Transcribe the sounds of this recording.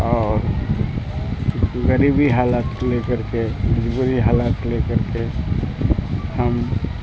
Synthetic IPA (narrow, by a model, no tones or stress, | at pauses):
ɔːɾ | ɣəɾibiɦaːlaːt̪lekəɾkebɪd͡ʒbuɾiɦaːlaːt̪lekəɾke | həm